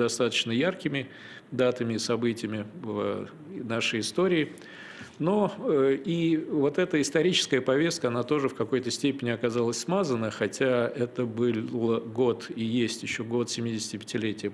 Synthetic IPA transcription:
d̪ɐst̪at̪ə̥t͡ɕnəjarkʲɪmʲɪ | d̪at̪əmʲɪːsɐbɨtʲɪjmʲɪvə | naʂəjɪst̪o̞ɾʲɪː | noəivo̞t̪ɛt̪əɪst̪ɐɾʲit͡ɕɪ̥skəjəpɐvʲe̞st̪kəɐnat̪o̞ʐɨfkɐko̞jt̪əsʲtʲepʲɪnʲɪɐkɐzalˠəsʲsmazənːəxɐtʲaɛt̪əbɨəɡo̞t̪ijesʲtʲjɪɕːo̞ɡo̞t̪sʲɪmʲidʲɪsʲɪ̥tʲɪpʲɪ̥tʲɪlʲetʲɪjə

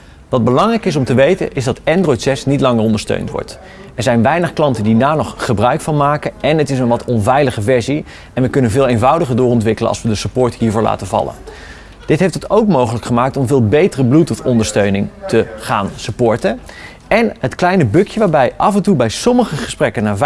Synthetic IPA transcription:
ʋɑd̚bəlɑŋrɛjkɪs̬ɔmtəʋejtə̰nʔɪzdɑtɛndrɔjtsɛsnitlɑŋərɔndəɹstø̰ɥntʋɔ̰ɹt | ɛɹzɛjnʋɛjnəχklɑntəndinaːnɔχχəbrœɥkfɑnmaːkəʔɛnətɪs̬ənʋɑtɔnvɛjləχəvɛɹzi | ɛnʋəkɵnənvɪːlˠejnvʌwdəχəɹdʊːɹɔntʋɪkələ̰ʔɑ̰lˠsʋədəsəpʊːɹtɦiːɹvʊːɹla̰ːtənvɑ̰lə̰n | d̥ɪtɦejftətowk̚mowχələkχəmaːk̚tɔmvɪːlˠbejtərəblutɔfɔndəɹstøɥnɪŋtəχaːnsəpʊːɹtə | ɛnɦətklɛjnəbɵkjəʋaːɹbɛjʔɑfɛntubɛjsɔməχəχəsprɛkənaːɹv

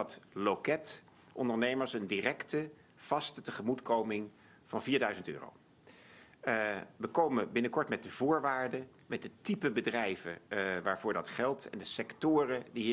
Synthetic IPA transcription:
ɑtlokɛt | ʔɔndəɹnejməɹsəndirɛktə | v̥ɑstətəχəmutkowmɪŋ | v̥ɑnviːɹdœɥzəntø̰ːro̰w | ʋəkowməbɪnəkɔɹtmɛt̚dəv̥ʊːɹʋaːɹdə | mɛt̚dətipəbədrɛjvəʋaːɹvʊːɹdɑtχɛlˠtɛ̰ndəsɛktʊːrədiɦ

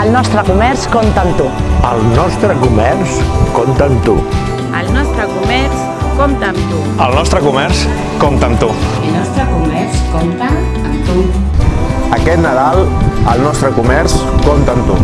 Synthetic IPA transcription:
əlˠnɔst̪ɾəkumɛɾskomt̪ənt̪uəlˠnɔst̪ɾəkumɛrskomt̪ənt̪ṵ | əlˠnɔst̪ɾəkumɛrs | komt̪əːmt̪u | əlˠnɔst̪ɾəkumɛɾs | komt̪ənt̪ulnɔst̪ɾəkumɛɾskɔmt̪ə | əmt̪u | əkɛt̪nəðalˠəlˠnɔst̪ɾəkumɛɾskomt̪ənt̪ṵ

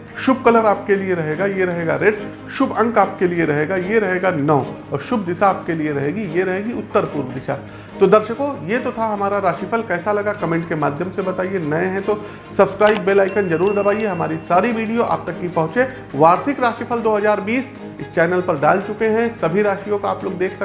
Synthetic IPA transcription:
ʃʊb̚kɐləɾaːp̚kelieɾɐɦeːɡajeɾɐɦeːɡaɾeːɖ | ʃʊbɐ̃ŋkaːp̚kelieɾɐɦeːɡajeɾɐɦeːɡanɐ̃ɔːɾʃʊb̚d̪ɪsaːp̚kelieɾɐɦeːɡijeɾɐɦeːɡiʊt̪ːəɾpuːɾʋd̪ɪʃa | t̪od̪ɐɾʃəkojet̪ot̪ʰaɦɐmaːɾaɾaːʃifʰəlkɛːsalɐɡakɐmẽːɳʈ̚kema̰ːd̪ʱjəmsebɐt̪aːienɐẽɦɛ̃t̪o | sɐbskɾaːɪbːeːlaːɪkənd͡ʒɐɾuːɾd̪ɐbaːieɦɐma̰ːɾisaːɾiʋiːɖijoʔa̰ːp̚t̪ɐkːipɐ̃ɦʊ̃t͡ʃẽ | ʋaːɾsɪkɾaːʃifʰəld̪oːɦɐzaːɾbiːs | ɪst͡ʃɛːnəlpɐɾɖa̰ːlt͡ʃʊkeɦɛ̃sɐbʱiɾaːʃijõkaaːploːɡd̪eːkʰsɐ

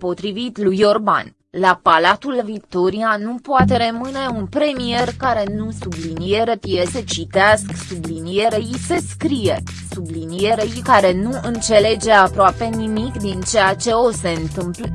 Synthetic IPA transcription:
po̞t̪ɾivit̪lujo̞rba̰n | lapalat̪ulvik̚t̪o̞ɾianupoat̪e̞ɾemɨne̞unpɾe̞mije̞rkaɾe̞nusublinije̞ɾe̞pje̞se̞t͡ʃit̪easksublinije̞ɾeise̞skɾije̞ | sublinije̞ɾejkaɾe̞nuɨnt̪se̞le̞d͡ʒe̞apɾoape̞nimikd̪int͡ʃe̞jat͡ʃe̞o̞se̞ɨnt̪ɨmplə

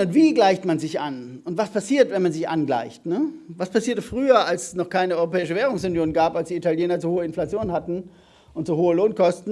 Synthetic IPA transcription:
ʊntv̥iːɡlaɪçtmanzɪçʔa̰nʊntv̥aspʰasiːɐtvɛnmanzɪçʔa̰nɡla̰ɪçtnəvaspasiːɐtəfʁ̥yːɐalssnɔχkʰaɪnəɔʏʁopɛːɪʃəvɛːʁ̞ʊŋsʊnjoːnɡaːpalsd̥iːitaljɛːnɐt͡suhoːəɪnflat͡sjoːnənhatn̩ | ʔʊntz̥uhoːəloːnkʰɔstn̩

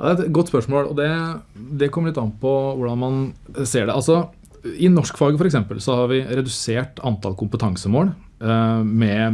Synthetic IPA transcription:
jɑ̰ːd̪ɛæɾɛt̪ɡɔt̪ːspœʂmoːlɔ̰d̪ɛd̪ɛkʰɔmːɾɭɪt̪ːɑnəpʰɔʋʊɖɑnmɑnseːɖɛɑlsɔ | ɪnɔʂkfɑɡəfɔɾɛksɛmpəlsɔhɑɾʋɪɾɛd̪ʉseːʈɑnt̪ʰɑ̰lkʊmpət̪ʰɑŋsəmoːl | mɛ

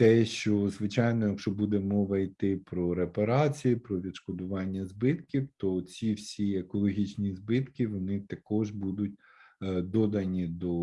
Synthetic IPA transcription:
t̪ɛʃt͡ʃɔzʋɪt͡ʃɑjnɔjɐkʃɔbud̪ɛmɔʋɐit̪ɪpɾɔɾepɐɾɑt͡sʲijipɾɔʋʲid̪ʃkɔd̪ʊʋɑnʲːɐzbɪt̪kʲiwt̪ɔt͡sʲiwsʲiekɔlˠɔɦʲit͡ʃnʲizbɪt̪kʲɪʋɔnɪt̪ɐkɔʒbud̪ʊt̚ʲ | d̪ɔd̪ɐnʲid̪ɔ

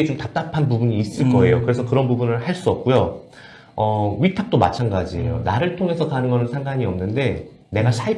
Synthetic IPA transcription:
et͡ɕomtap̚t͈apʰanpubuɲiːs͈ɯɭk͈ʌe̞jokɯɾe̞sʰʌkɯɾʌnbubunɯɭhaɭs͈uʌp̚k͈ujo | ʌɥitʰap̚t͈oma̰t͡ɕʰanɡad͡ʑijo̰naɾɯɭtʰoŋe̞sʰʌkanɯnɡʌnɯnsʰaŋɡaɲiʌmnɯnde̞ | ne̞ɡasʰai

